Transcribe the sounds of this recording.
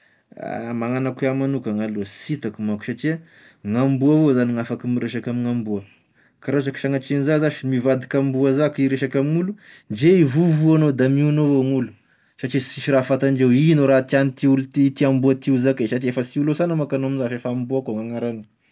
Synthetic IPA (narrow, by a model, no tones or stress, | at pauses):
a̰maŋanakeamanukəŋalosit̪akumaku̥saʈ͡ʂiə | ŋambuavozaniŋafakimiɾeʃakamiŋambuə | kaɾazaki̥ʃaŋat͡ʃinizazaʃimivad̪ikambuazakiɾeʃakamiŋulu | nd͡ʒeivuvuanod̪amiunovoŋulu̥ | saʈ͡ʂisiʃiɾafat̪and͡ʒewinoɾat̪ianit̪iulut̪it̪iambuat̪izakesaʈ͡ʂiefəsiulosanamakanoamizaʃefambuakoŋaŋaɾanə̥